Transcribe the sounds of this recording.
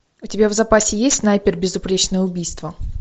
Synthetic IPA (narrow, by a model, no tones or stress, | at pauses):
ʊtʲɪbʲavzɐpasʲɪjesʲt̪ʲnajpʲɪrbʲɪzʊpɾʲet͡ɕnəjəʊbʲijst̪və